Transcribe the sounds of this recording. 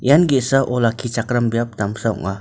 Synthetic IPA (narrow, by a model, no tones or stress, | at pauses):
janɡisaʔolakit͡ʃakɾambiap̚t̪amsaṵŋa